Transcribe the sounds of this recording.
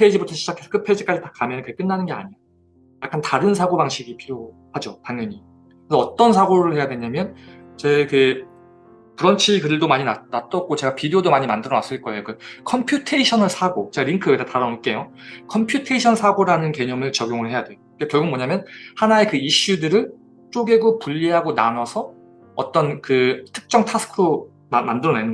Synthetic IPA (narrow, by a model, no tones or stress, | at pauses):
pʰed͡ʑibutʰʌɕʰid͡ʑakʰes͈ʰkʰɯpʰe̞d͡ʑik͈ad͡ʑitakamjʌnkɯeɡekɯnːanɯnɡe̞a̰ɲija | jak͈antaɾɯnsʰaɡobaŋɕʰiɡipʰiɾjo | had͡ʑotaŋjʌɲi | kɯesʌʌt͈ʌnsʰaɡoɾɯɭhe̞jadwe̞ɲamjʌnt͡ɕe̞ke | puɾʌnt͡ɕʰikɯdɯɭdomaɲinanat̚t͈ʌt̚k͈ot͡ɕe̞ɡapideodomaɲimandɯɾʌnas͈ɯɭk͈ʌejokɯkʰʌmpʰjutʰeiɕʰʌnɯɭsʰaɡot͡ɕeɡaɾiŋkʰɯetʰataɾʌnik͈e̞jo | kʰʌmpʰjutʰe̞iɕʰʌnsʰaɡoɾanɯnke̞ɲʌmɯɭt͡ɕʌɡjoŋɯɭhe̞jadwe̞joɯkekjʌɭɡumʌɲamjʌnhanae̞kɯiɕ͈udɯɾɯɭ | t͡ɕ͈ʰoɡe̞ɡopuʎːiɦaɡona̰nʌsʰʌ | ʌ̰t͈ʌnkɯtʰɯ̥k̚t͡ɕ͈ʌŋtʰas͈ʰɯ̥kʰɯɾo | mmandɯɾʌnenɯ